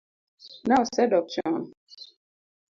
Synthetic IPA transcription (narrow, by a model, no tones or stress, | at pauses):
naʊsɛdɔp̚t͡ʃɔ̃n